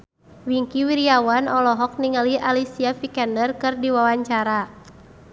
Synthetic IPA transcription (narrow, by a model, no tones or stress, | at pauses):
wiŋkiwiɾiawanɔlɔɦɔk̚niŋalialisiafikɛndərkɨrdiwawaɲt͡ʃaɾa